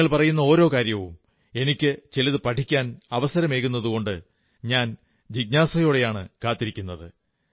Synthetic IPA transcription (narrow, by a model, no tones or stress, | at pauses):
ɐɭpɐrɐjunːɐo̞ːɾo̞ːkaːɾjɐʋum | e̞nikʲːɨt͡ɕelɐðɨpɐʈʰikʲːaːnɐʋɐsɐɾɐme̞ːkunːɐðuɣo̞ɳɖɨ | ɲaːn | d͡ʑiɡ̚naːsɐjoːɽe̞jaːɳɨ̰kaːt̪ːiɾikʲːunːɐðɨ̰